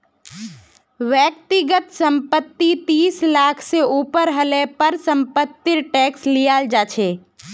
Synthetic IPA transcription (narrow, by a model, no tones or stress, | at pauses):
ʋjək̚t̪ɪɡət̪sə̃mpət̪ːit̪iːslaːkʰseuːpəɾɦəlɛːpəɾsə̃mpət̪ːɪɾʈɛːkslijaːld͡ʒaːt͡ʃʰeː